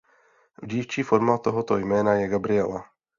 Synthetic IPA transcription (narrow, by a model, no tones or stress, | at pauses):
vɟiːft͡ʃiːfo̞ɾmat̪oɦo̞t̪ojmɛːnajɛɡabɾɪɛla